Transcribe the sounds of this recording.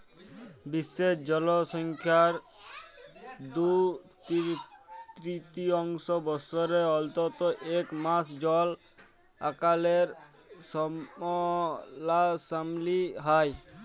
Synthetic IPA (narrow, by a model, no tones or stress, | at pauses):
bisːesd͡ʒɔlɔsɔŋkʰjaɾ | d̪ut̪it̪ɾit̪iɔŋsɔbɔsɔɾeɔlt̪ɔt̪ɔʔekmasd͡ʒɔl | akaleɾ | sɔɔlasamliɦaj